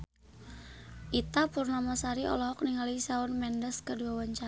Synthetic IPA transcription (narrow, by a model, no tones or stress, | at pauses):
ʔit̪apurnamasaɾiʔɔ̰lɔɦɔk̚niŋalisaʊnmɛndəskəduawaɲt͡ʃa